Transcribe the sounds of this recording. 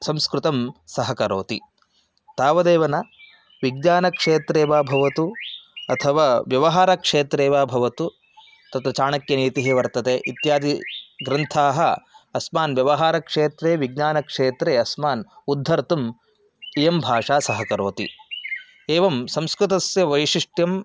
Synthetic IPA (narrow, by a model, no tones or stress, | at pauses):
sɐmskɾut̪ɐmsɐɦɐkɐɾoːt̪i | t̪aːʋɐd̪eːʋɐnɐ | ʋiɡ̚ɲaːnɐkʂeːt̪ɾeːʋaːbʱɐʋɐt̪uɐt̪ʰɐʋaːʋjɐʋɐɦaːɾɐkʂeːt̪ɾeːʋaːbʱɐʋɐt̪u | t̪ɐt̪ɐt͡ʃaːɳɐkjɐniːt̪iɦiʋɐɾt̪ɐt̪eʔit̪jaːd̪ʱiɡɾɐnt̪ʰaːɦɐɐsmaːnʋjɐʋɐɦaːɾɐkʂeːt̪ɾeːʋiɡɲaːnɐkʂeːt̪ɾeːɐsmaːnud̪ʱːɐɾt̪um | ejɐmbʱaːʂaːsɐɦɐkɐɾoːt̪ḭ | eːʋɐmsɐmskɾut̪ɐsjɐʋɐjʂiʂʈjɐm